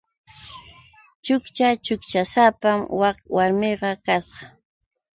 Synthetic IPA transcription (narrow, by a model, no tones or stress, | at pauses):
t͡ʃʊkt͡ʃat͡ʃʊkt͡ʃasapamwakwaɾmɪɢɑkasɢɑ